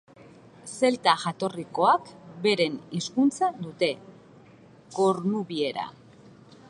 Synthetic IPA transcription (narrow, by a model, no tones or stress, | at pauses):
se̞lt̪aʝat̪o̞riko̞akbe̞ɾe̞niskunt͡saðut̪e̞ | ko̞ɾnuβie̞ɾa̰